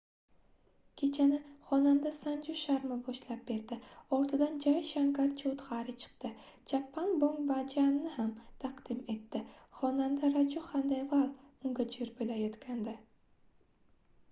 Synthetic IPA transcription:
kʲʰe̞t͡ʃʰanɪχɒnand̪asand͡ʒʊʃaɾmɪbɒʃlap̚be̞ɾd̪ɪɒɾt̪ʰɪd̪and͡ʒajʃaŋkaɾt͡ʃʰot̪ʁaɾɪt͡ʃʰɨ̥qt̪ɪ | d͡ʒʰapːanboŋbad͡ʒanːɪhamt̪ʰaqd̪̥ɪme̞t̪ːɪχɒnand̪aɾad͡ʒʊχand̪avalˠʊŋɡʲad͡ʒɪɾbolajɒt̪kʲand̪a

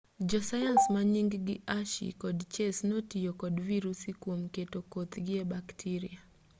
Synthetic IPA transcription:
d͡ʒɔsajansmaɲiŋɡɡɪʔaʃḭkɔdt͡ʃesnotijokɔdviɾusikwomketokot̪ɡɪebaktʰiɾia

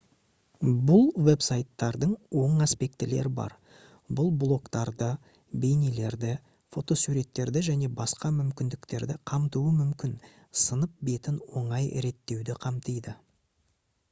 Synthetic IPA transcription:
bʊlˠve̞psajt̪ːɑɾd̪əɴwo̞ɴaspe̞k̚t̪ɪle̞̰ɾɪbɑ̰ɾ | bʊlˠblˠo̞kt̪ɑɾd̪ə | bejnile̞ɾd̪ɪ | fo̞t̪o̞suɾe̞t̪ːe̞ɾd̪ɪʒæne̞bɑsqɑmʏmkʲɪnd̪ɪkt̪e̞ɾd̪ɪqʰɑmt̪uwəmʏmkʲɪn | sənəp̚be̞t̪ɪnwo̞ɴɑjɾe̞t̪ːe̞wd̪ɪqʰɑmt̪əjd̪ə

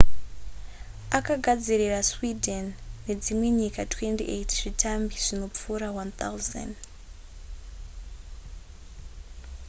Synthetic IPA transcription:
akaɡʱad͡ziriraswidʱenːe̞d͡zimwe̞ɲikatwe̞ntḭʔetʐ̥itʰambiʐ̥ino̞p͡fuːɾawant̪a̰wza̰nd

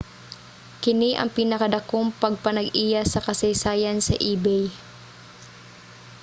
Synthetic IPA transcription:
kɪniʔɐ̰ŋpiːnɐkɐd̪ɐkoŋpɐɡ̚pɐnɐɡiːjasɐkɐsɐjsaːjɐnsɐ̰ʔiːbɛj

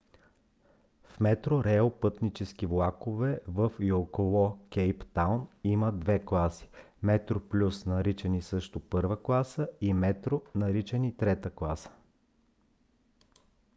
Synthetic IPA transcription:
fmɛt̪ɾoɾɛopɤt̪nit͡ʃɛskivlˠakovɛvəfjokolˠɔkɛjpt̪awniməd̪vɛklˠasi̥ | mɛt̪ɾoplʲusnɐɾit͡ʃɛnisɤʃt̪ʊpɤɾvəklˠasəimɛt̪ɾonɐɾit͡ʃɛnit̪ɾɛt̪əklˠasə̥

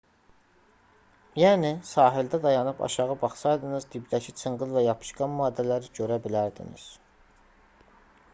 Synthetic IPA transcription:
jæːnisɑːɦild̪æd̪ɑjɑnɯpʰɑ̰ʃɑʁɯbɑχsɑjd̪ɯnɯzd̪ibd̪æcʰit͡sʰɯɴʁɯlˠvæjɑpʰɯ̥ʃɡɑnmɑːd̪ːælæɾiɟøɾæbilæɾd̪ḭnḭz̥

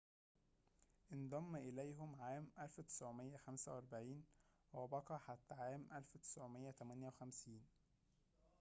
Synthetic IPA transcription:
ʔend̪ˤɑmːʔɪlæjɦʊmʕaːmʔælfwt̪ɪ̥sʕomejːæxæmsæwʔɑɾˤbaʕiːnwæbɑkɑːħat̪ːæʕaːmʔælfwt̪ɪ̥sʕomejːæt̪æmænjæwxæmsiːn

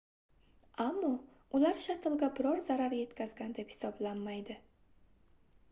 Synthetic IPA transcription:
amːɒ | ʊlaɾʃat̪ʰɪlˠɡʲabɪɾɒɾzaɾaɾje̞t̪kʲʰazɡʲand̪e̞phɪ̥sɒblanmajd̪ɪ

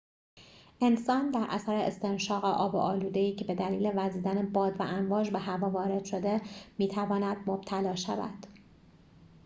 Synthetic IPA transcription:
ʔe̞nsɒːnd̪æɾʔæ̰sæɾeest̪e̞nʃɒːɣeʔɒːbo̰ʔɒːluːd̪eiːcʰebe̞d̪æliːle̞væziːd̪ænebɒːd̪væʔænvɒːd͡ʒbeɦævɒːvɒːɾe̞d̪̥ʃo̞d̪e̞miːt̪ʰævɒːnæd̪̥̚mob̥̚t̪ʰælɒːʃæ̰væ̰d̪̥

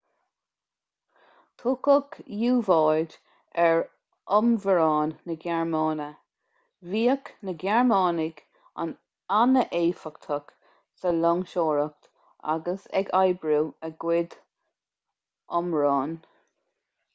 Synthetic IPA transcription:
t̪ʰʊkəɡjuːvɑːd | ɛɹ | ʔɔmvəɹɑːnːəɡɛɹmɑːnə | viːəknəɡɛɹmɑːnɪɡ | a̰n | anəʔeːfəkt̪ʰɔk | səlɔŋʃoːɹək̚t̪ | a̰ɡəsɛ̰ɡajbɾuəɡwɪd̪ | ʔɔmɹɑːn

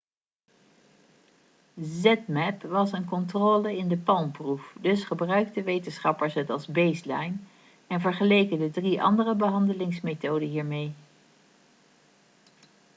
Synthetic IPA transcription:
zɛtmɛpʋɑsənkɔntroːləɪndəpɑlˠmprufdɵsχəbrœɥk̚təʋejtənsχɑpəɹsɦətɑlˠzbejslɑjn | ɛnvəɹχəlejkədədriʔɑ̰ndərəbəɦɑndəlɪŋsmetowdəɦiːɹmej

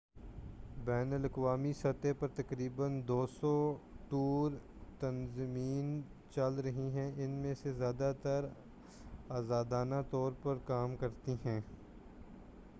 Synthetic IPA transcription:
bɛːnəlɐkʋaːmisɐt̪epɐɾt̪ɐkɾiːbənd̪oːsɔʈuːɾ | t̪ɐnzmiːn | t͡ʃɐlɾɐɦiɦɛ̃ʔɪnmẽsezjaːd̪at̪ɐɾ | aːzaːd̪aːnat̪ɔːɾpɐɾkaːmkɐɾt̪iɦɛ̃ː

